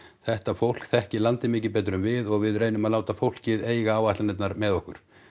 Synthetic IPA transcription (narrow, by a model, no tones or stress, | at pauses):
θɛht̪afowl̥kθɛhcɪlant̪ɪmɪːc̬ɪp̬ɛːjt̪ɾʏmvɪðɔɣvɪðrejnʏmaðlaːwt̪afowl̥cɪðeːjɣaaːwaht̪lanɛt̪naɾmɛðɔhkʏɾ̥